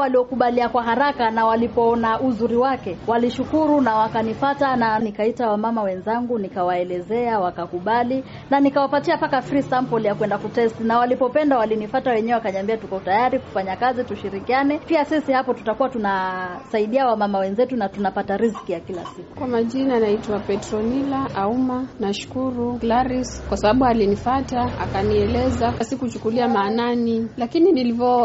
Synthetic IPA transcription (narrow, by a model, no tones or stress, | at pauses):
waliɔkuɓaliakwaɦaɾakanawalipɔɔnaʔuzuɾiwakɛwaliʃukuɾunawakanifatananikaitawamamawɛnzaŋɡunikawaɛlɛzɛawakakuɓali | nanikawapatiapakafɾisampɔljakwɛndakutɛstinawalipɔpɛndawalinifatawɛɲɛwɛwakaɲiambiatukɔɔtajaɾiku̥faɲakazituʃiɾikianɛpiasisihapɔtu̥takuwatunasaiɗiawamamawɛnzɛtunatunapataɾiskijakila̰siku̥kwamaʄinanaitwapɛtɾɔnilaʔaumanaʃu̥kuɾulaɾiskwasaɓaɓualinifataa̰kaniɛlɛzaasikut͡ʃukuliamaːnanilakininilivɔ